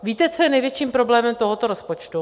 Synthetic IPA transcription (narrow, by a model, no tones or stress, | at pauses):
viːt̪ɛt͡sojɛnɛjvjɛt͡ʃiːmpɾoblɛːmɛmt̪oɦot̪oɾospot͡ʃt̪u